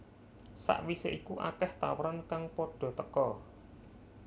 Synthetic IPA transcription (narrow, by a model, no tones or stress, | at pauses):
sa̰ʔwiseʔikuʔa̰kɛht̪a̰wəɾankaŋpoɖ̥ɔ̤t̪əkɔ